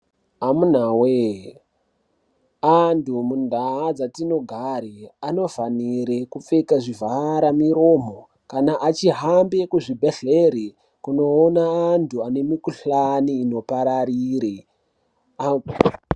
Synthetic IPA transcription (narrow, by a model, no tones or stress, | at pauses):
amun̤awe | antumundʱaɦad͡zatino̞ɡʱaɾiano̞vaniɾekup͡fekaʐivʱaɾamiɾo̞ːmo | kanaʔat͡ʃiɦambekuʐibʱeɬeɾi | kuno̞ːnaːntʰuane̞mikuɬaniːno̞paɾaɾiːɾi | a